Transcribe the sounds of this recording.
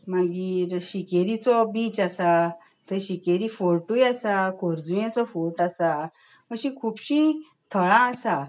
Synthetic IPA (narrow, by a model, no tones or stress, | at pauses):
mãɡiːɾɕikeɾit͡sɔbit͡ɕasa | t̪əɕikeɾifoɾʈujasakʰoɾd͡zujãt͡sɔfoɾʈasa | əɕĩkʰuːpɕĩ | t̪ʰəɭãːsa